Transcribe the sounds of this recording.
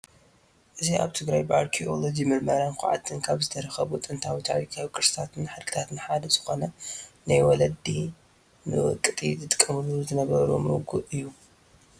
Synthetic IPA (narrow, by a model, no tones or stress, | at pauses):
ʔɨzia̰βt̪ʰɨɡɾajbɨʔaɾkʰio̞lod͡ʒimɨɾmɐɾankʰʊ̰ʕa̰t̪ʰːɨnkʰaβzɨt̪ʰɐɾɐxɐβut̪ʼɨnt̪ʰawit̪ʰa̰wikʰawkʼɨɾsɨ̥t̪ʰat̪ʰɨnħɨd̪kʰɨ̥t̪ʰat̪ʰɨnħad̪ɐzɨxo̞nɐnajwɔlɐd̪i | nɨwɨ̰kʼːɨt̪ʼit̪ɨt̪ʼɨkʼːɐmɨlːuzɨnɐβɐɾṵmɨ̰ɡuʔʔɨjːu